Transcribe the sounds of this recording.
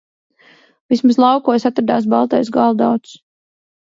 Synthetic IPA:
vismaslˠɑwkuɔsat̪ɾad̪aːs̬balˠt̪ɛjsɡɑlˠd̪awt̪s

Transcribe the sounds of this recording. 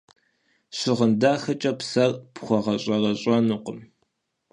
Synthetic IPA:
ɕɪʁəndaːxɐt͡ʃʼɐpsɐrpχʷɔʁɐɕʼɐrɐɕʼɐnuːqʷəm

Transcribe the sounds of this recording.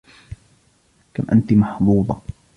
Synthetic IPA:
kamʔa̰nt̪imɑħd̪ˤuːd̪ˤɑ

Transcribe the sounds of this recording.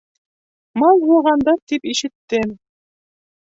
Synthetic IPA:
mɑlˠbulˠʁɑnd̪ɑt̪ipiʃɘ̆t̪ːɘm

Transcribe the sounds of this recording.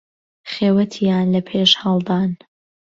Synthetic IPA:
χeːwɐt̪ʰijaːnlɐpʰeːʃhɑlˠd̪aːn

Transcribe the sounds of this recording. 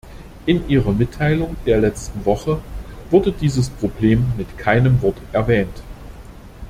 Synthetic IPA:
ʔɪnʔiːʁɐmɪtʰːaɪlʊŋd̥eːɐlɛt͡stn̩vɔχəv̥ʊɐdədiːzəspʁ̥obleːmːɪtkʰaɪnəmvɔɐtʔɛɐvɛːnt

